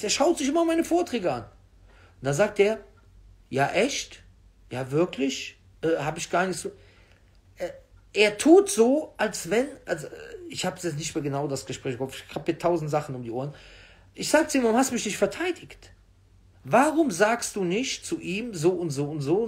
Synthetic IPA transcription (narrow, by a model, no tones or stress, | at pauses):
eːɐʃaʊtz̥ɪçʔɪmɐmaɪnəfoːɐtʁ̥ɛːɡəa̰n | ntd̥anzaːk̚teːɐ | jaːʔɛçt | jaːvɪɐklɪç | ʔɛːhaːbəɪçɡ̥aːɐnɪçt͡su | ʔɛːʔeːɐtʰuːtz̥oːʔalsv̥ɛnʔalzoɛɪçhaːbsjɛt͡snɪç̬tmeːɐɡənaʊdasɡ̥əʃpʁ̥ɛːçafɪçkʰaphiːɐtʰaʊzn̩tz̥aχn̩ʊmdiːʔoːɐən | ʔɪçz̥aːɡət͡suiːvaʁʊmhastumɪçnɪçtfɛɐtʰaɪdɪçt | vaʁʊmzaːkstd̥uːnɪçtt͡suʔiːmzoːʊntz̥oːʊntz̥oː